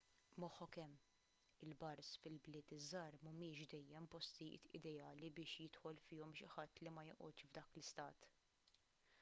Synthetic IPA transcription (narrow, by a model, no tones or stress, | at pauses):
mɔħːɔkɛmː | ɪlbɐɾsfɪlblɪːt̪ɪzːɐːɾmʊmɪːʃd̪ɛjːɛmpɔst̪iɪ̰t̪ɪ̰d̪ɛjɐːlibɪːʃjɪt̪ħɔlfɪːɔmʃɪħɐt̪ːlimɐjɔʔɔ̰t̪ʃvd̪ɐːklɪst̪ɐːt̪